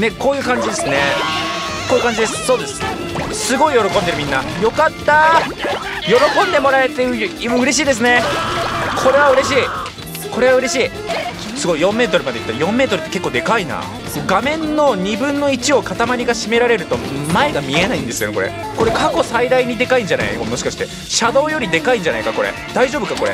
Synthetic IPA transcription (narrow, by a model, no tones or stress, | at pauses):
ne̞ko̞ːjɯ̟ːkãɲ̟d͡ʑid̪esɨne̞ | koːjɯ̟kaɲd͡ʑid̪esɨ̥so̞ːd̪e̞sɨ̥ | sɨɡo̞ijo̞ɾo̞kond̪e̞ɾɯ̟mʲĩnːajo̞kat̪ːa | jo̞ɾo̞kõ̞nd̪e̞mo̞ɾaet̪ːejɯjimoɯ̟ɾe̞ɕ̬iːd̪e̞s̬ɨne̞ | kʰo̞ɾe̞β̞aɯ̟ɾe̞ɕiː | ko̞ɾe̞βaɯ̟ɾe̞ɕiː | sɨɡo̞ijõ̞mːe̞ːt̪o̞ɾɯmad̪e̞it̪ːaɾijõ̞mːeːt̪o̞ɾɯ̟t̪ːe̞ke̞kːoːd̪e̞kaina̰ | sɡamẽ̞nːo̞ɲ̟ibɯ̟̃nːo̞it͡ɕio̞kat̪amaɾʲiɡaɕime̞ɾaɾe̞ɾɯ̟t̪o̞mae̞ɡamʲie̞naĩnd̪e̞sɨjonko̞ɾe̞̰ | ko̞ɾe̞kako̞said̪aiɲ̟id̪e̞kaĩɲ̟d͡ʑana̰io̰mo̞ɕi̥kaɕi̥t̪e | ɕad̪o̞ːjo̞ɾʲid̪e̞kaĩɲ̟d͡ʑanaikako̞ɾḛd̪̥aiʑo̞ːbɯ̟kako̞ɾe